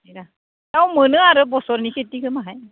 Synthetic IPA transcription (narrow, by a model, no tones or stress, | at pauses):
eɾa | taw̃mɯnɯaɾɯbɔsɔɾniketːikʰɯmaɦaj